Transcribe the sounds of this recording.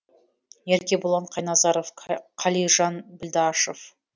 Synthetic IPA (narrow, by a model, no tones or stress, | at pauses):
eɾkʲe̞bʊlˠɑɴqʰɑjnɑzɑɾofqʰɑlijʒɑnbɪld̪ɑʃov